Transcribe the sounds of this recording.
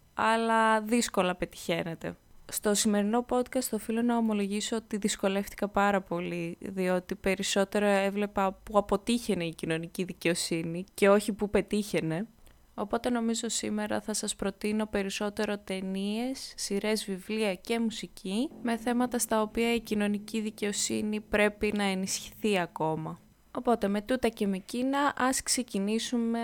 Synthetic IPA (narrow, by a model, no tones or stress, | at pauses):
ɐlɐðisko̞lɐpe̞t̪i̥çe̞ne̞t̪e̞̰st̪o̞sime̞ɾino̞po̞t̪kɐst̪ofilo̞nɐomo̞lo̞ʝisoot̪iðisko̞le̞fθi̥kɐpɐɾɐpo̞liðio̞t̪ipe̞ɾiso̞t̪e̞ɾoevle̞pɐpuɐpo̞t̪içe̞ne̞icino̞niciðice̞o̞sinice̞o̞çipupe̞t̪içe̞ne̞ | o̞po̞t̪e̞no̞mizo̞sime̞ɾɐ̰θɐsɐspɾo̞t̪ino̞pe̞ɾiso̞t̪e̞ɾo̞t̪e̞nie̞sːiɾe̞zvivliɐce̞musicime̞θe̞mɐt̪ɐst̪ɐopiɐicino̞niciðice̞o̞sinipɾe̞pinɐe̞nisçi̥θiɐko̞mɐ | o̞po̞t̪e̞me̞t̪ut̪ɐce̞me̞cinɐʔɐskse̞cinisume̞